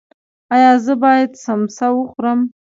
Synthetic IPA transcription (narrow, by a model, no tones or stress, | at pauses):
ɑjɑzəbɑjad̪samsawəχɾəm